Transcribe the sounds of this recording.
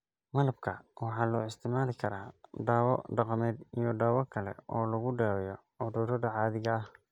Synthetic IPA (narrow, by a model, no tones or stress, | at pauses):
mɑlɐbkʰɐwɑħɑːlɔːɪst̪ʰɪmaːlɪkʰɐɾaːɖaːwɔ̰ɖɑqɑmɛːd̪ijɔɖaːwɔkʰɐlɛ̰ɔːlɐɣʊɖɛːwɛjɔ | ɔd̪ɔːɾɔɖɐʕɑːðɪɣɐɐh